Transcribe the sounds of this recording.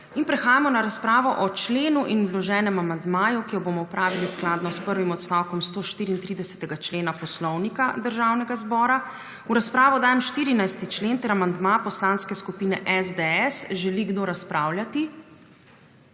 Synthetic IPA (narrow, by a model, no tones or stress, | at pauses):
inpɾɛxaːjamɔnaɾaspɾaːʋɔʔɔt͡ʃleːnuʔinwlɔʒɛːnɛmamand̪maːjukijɔbomɔpɾaːʋilisklaːd̪nɔspəɾʋimɔt̪st̪aːwkɔmst̪oːʃt̪iːɾiːnt̪ɾid̪ɛsɛ̥t̪ɛɡat͡ʃleːnapɔslɔwnikad̪əɾʒaːwnɛɡazbɔːɾa | uɾaspɾaːʋɔd̪aːjɛmʃt̪iːɾinajst̪it͡ʃleːnt̪ɛɾamand̪mapɔslaːnskɛskupiːnɛʔɛzd̪ɛɛsʒɛliɡd̪oɾaspɾaːwljat̪i